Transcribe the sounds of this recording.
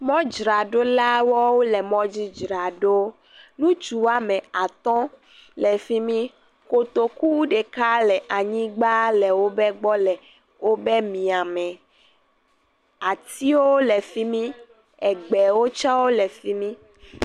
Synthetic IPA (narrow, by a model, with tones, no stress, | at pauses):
mɔ̃˦d͡ʒɾa˨ɖo˦la˦wɔ˦wo˦lɛ˨mɔ̃˦d͡ʑi˦d͡ʒɾa˨ɖo˦ | nũ˦t͡ʃu˨wa˦mɛ̃˨a˨t̪ɔ̃˦ | lɛ˨fi˦mĩ˦ | ko˨t̪o˨ku˦wɖe˨ka˦lɛ˨ʔa˨ɲĩ˦ɡ͡ba˦lɛ˨wo˦bɛ˦ɡ͡bɔ˦lɛ˨ | wo˦bɛ˦mĩ˨a˨mɛ̃˨ | a˨t̪i˦wo˦lɛ˨fi˦mĩ˦ | ɛ˨ɡ͡bɛ˨wo˦t͡ʃa˦wo˦lɛ˨fi˦mĩ˦